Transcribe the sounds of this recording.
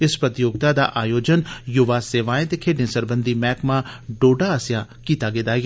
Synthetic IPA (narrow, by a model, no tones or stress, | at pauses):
ɪspɾət̪joːɡ̚t̪aːd̪a̰ːʔaːjoːd͡ʒənjʊʋaːseːʋãːẽt̪eːkʰeːɖnẽːsəɾbə̃nd̪ʱiːmɛːkmãːɖoːɖaəsjaːkiːt̪aːɡeːd̪aːi